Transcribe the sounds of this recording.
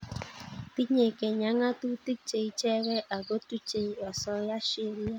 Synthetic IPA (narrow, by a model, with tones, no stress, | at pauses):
ti˦ɲe˨ke˨ɲa˨˦ŋa˦tu˦ti˦k̚t͡ʃe˨i˨t͡ʃɛ˦ɾɛ˦ʔa˨ɡo˦tu˦t͡ʃe˨˦ɔ˨sɔ˦ja˦ʃe˦ɾi˦a˦